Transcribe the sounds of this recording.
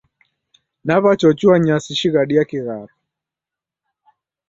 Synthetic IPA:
naβat͡ʃɔt͡ʃuaɲasiʃiɣaɗiakiɣaɾɔ

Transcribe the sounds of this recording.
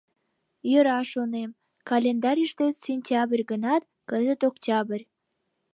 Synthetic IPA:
jəɾɑʃonem | kɑlʲend̪ɑɾʲiʃt̪et̪sʲenʲtʲɑbrʲɣənɑt̪̚ | kəzət̪oktʲɑbərʲ

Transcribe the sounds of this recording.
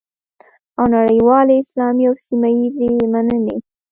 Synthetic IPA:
awnaɽəjwɑleɪslɑmiawsimajizemanənḛ

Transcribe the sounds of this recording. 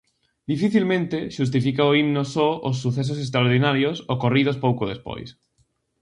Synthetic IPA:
d̪ifiθilmẽnt̪eʃus̬t̪ifikaoimnosɔʔos̬ːuθes̬osest̪ɾaoɾðinaɾjosokorið̞ospowkoðespo̰js

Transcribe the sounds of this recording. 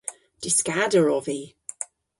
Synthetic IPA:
d̥ɪskadəɹɔviː

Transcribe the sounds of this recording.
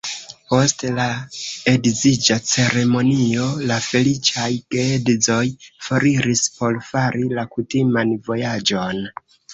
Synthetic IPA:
po̞stlaedzid͡ʒat͡se̞ɾe̞mo̞nio̞lafe̞lit͡ʃajɡeedizo̞jfoɾiɾispo̞lfaɾilakutimanvo̞jad͡ʒo̞n

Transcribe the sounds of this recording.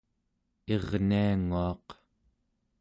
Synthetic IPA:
eʁniaŋuɑq

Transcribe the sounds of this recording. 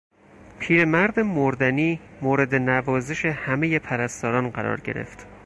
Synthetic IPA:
pʰiːɾemæɾd̪emoɾd̪æniːmoːɾe̞d̪e̞nævɒːzeʃe̞hæmeje̞pʰæɾæst̪ɒːɾɒːnɢæɾɒ̰ːɾɟe̞̰ɾḛft̪

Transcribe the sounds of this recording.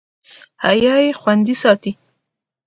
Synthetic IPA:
ha̰jɑjexwand̪isɑt̪i

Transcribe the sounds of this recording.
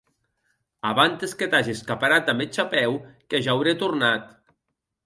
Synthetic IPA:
aβant̪esket̪aʒiskapaɾat̪amet͡ʃapɛwkeʒawɾet̪urnat̪

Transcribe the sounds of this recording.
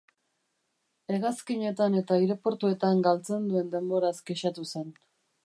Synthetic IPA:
e̞ɣaskiɲe̞t̪ane̞t̪aiɾe̞po̞ɾt̪ue̞t̪aŋɡalt͡se̞nd̪ue̞nd̪e̞mbo̞ɾaskeʃat̪use̞n

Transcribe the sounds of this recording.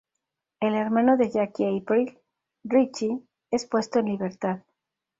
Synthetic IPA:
e̞le̞ɾmãnoðeʝakiejpɾil | rit͡ʃi | e̞spwe̞st̪oenliβe̞ɾt̪að

